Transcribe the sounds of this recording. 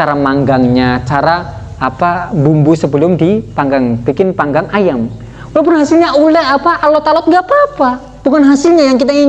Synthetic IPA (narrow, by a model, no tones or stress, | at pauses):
aɾamaŋɡaŋɲat͡ʃaɾaː | pabumbusəbəlʊmdipaŋɡaŋb̥ikɪnpaŋɡaŋajam | ulawp̬ʊnɦasɪlɲaulɛhapaʔalɔt̪alɔt̪̚ŋɡapapa | b̥ukanɦasɪlɲajaŋkit̪ai